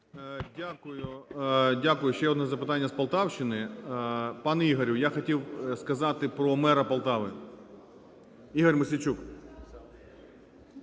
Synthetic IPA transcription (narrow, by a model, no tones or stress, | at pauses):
dʲakʊjʊdʲakʊjʊʃt͡ʃɛɔd̪nɛzɐpɪt̪ɑnʲːɐspɐlˠt̪ɑwʃt͡ʃɪnɪ | pɑnɛiɦɐɾʲʊjaxɔtʲiwskɐzɑt̪ɪpɾɔmɛɾɐpɐlˠt̪ɑʋɪ | iɦɐrʲmɪsʲit͡ʃuk